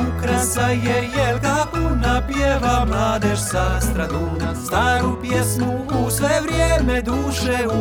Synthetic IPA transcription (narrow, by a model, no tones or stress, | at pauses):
ukɾəsajɛjɛkakonapjeʋamlˠaːd̪eʃsast̪ɾad̪uːnast̪aːɾupjesmuːsʋevɾjeːmed̪uːʃeu